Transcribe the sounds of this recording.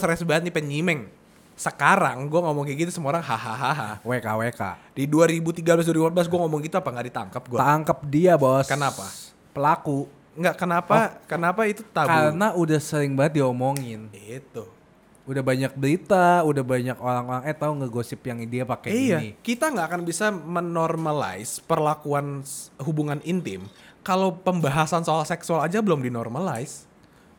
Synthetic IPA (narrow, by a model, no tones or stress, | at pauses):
sɾɛsbaɦat̪̚nipəɲimɛŋ | səkaɾaŋɡuaŋomɔŋkiɡit̪usəmuoɾaŋɦaɦaɦaɦawekaʔweka̰ʔdiduaɾibut̪iɡablas̬duaɾibupat̪̚blas̬ɡuaŋomɔŋɡit̪uapaŋɡadit̪a̰ŋkəp̚ɡuat̪aŋkəp̚diabɔskənapa̰ | pəlaku | ŋɡaʔkənapakənapait̪ut̪akaɾənaudahsəɾɪŋbaŋət̪̚diomoŋɪnit̪u | udahbaɲak̚bəɾit̪audahbaɲakoɾaŋoɾaŋɛt̪auŋɡaɡosɪpjaŋidiapakɛiijaikit̪aŋɡaʔkanbisamənɔrmala̰ɪspərlakuanɦubuŋanint̪ɪmkalopəmbaɦasansoalahsɛksualad͡ʒabəlʊmdinɔrmala̰ɪs